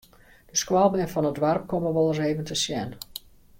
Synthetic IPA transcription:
d̥əskwalˠbɛnfɔnətʋarp̚koməʋɔlˠəseːvəntəsjɛn

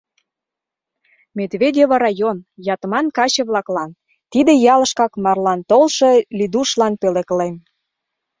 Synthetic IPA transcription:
med̪vʲedʲeβɑɾɑjonjɑt̪əmɑnkɑt͡ɕə̆βlɑklɑn | t̪id̪ĕjɑlə̆ʃkɑkmɑrlɑnt̪olʃɤlʲid̪uʃlɑnpeleklem

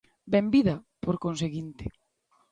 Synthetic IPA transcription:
bembiðɐpoɾkonseɣint̪ɪ̥

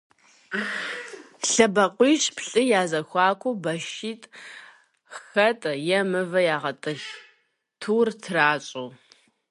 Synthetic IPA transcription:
ɬɐbɐqʷiːʃpʰɬʼɨjaːzɐxʷɑːkʷʰubɐʃiːtʼ | xɐtʼjɛmɨvɐjaːʁɐtʼɨx | tʰuːrtʰɨraːt͡ʃʼow

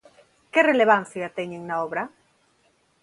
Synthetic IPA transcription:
kereleβ̞an̟θjat̪eɲeŋnaoβɾa

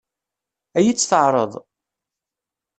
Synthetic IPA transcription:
æjit͡sːθəʕɾˤəðˤ

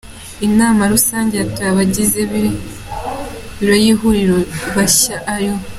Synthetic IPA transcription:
inaːmaɾusaːɲɟeatuaβaɟizeβi | βiɾo̞jiɦuɾiɾoβaɕaʔːjo̞

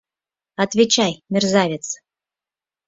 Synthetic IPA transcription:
ɑt̪vʲet͡ɕajmʲerzavʲet͡s

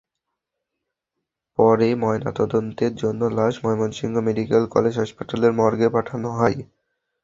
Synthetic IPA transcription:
pɔɾemɔena̰t̪ɔd̪ont̪eɾd͡ʑonːolaʃmɔemonʃiŋɡʱomeɖikelkɔ̰led͡ʑʱɦaʃpaʈaleɾmɔɾɡepaʈʰanoɦɔj

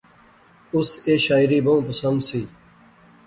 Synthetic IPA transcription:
ʊseːʃaːɪɾiːbəũːpəsənd̪siː

